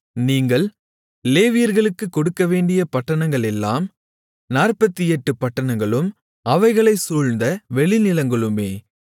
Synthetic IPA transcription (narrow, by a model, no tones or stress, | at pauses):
niːŋɡɐɭ | leːʋɪjɐɾɣɐɭɯkːɯkːɔɽɯkːɐʋeːɳɖɪjɐpɐʈːɐɳɐŋɡɐɭɛlːa̰ːm | naːrpɐt̪ːɪɛʈːɯpɐʈːɐɳɐŋɡɐɭɯm | ɐʋɐɪɣɐɭɐɪsuːɻnd̪ɐʋɛɭɪnɪlɐŋɡɐɭɯmeː